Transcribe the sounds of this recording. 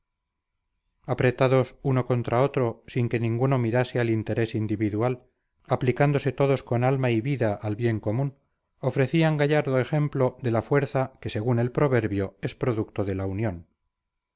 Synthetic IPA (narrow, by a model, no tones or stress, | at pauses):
apɾe̞t̪aðo̞suno̞ko̞nt̪ɾao̞t̪ɾo̞siŋke̞nĩŋɡuno̞miɾasealint̪e̞ɾe̞sind̪iβiðual | aplikand̪o̞se̞t̪o̞ðo̞sko̞nalmaiβiðaʔalβje̞ŋko̞mũn | o̞fɾe̞θiaŋɡaʝaɾðo̞e̞xe̞mplo̞ðe̞lafwe̞ɾθake̞se̞ɣune̞lpɾo̞βe̞ɾβjo̞e̞spɾo̞ðukt̪oðe̞launjon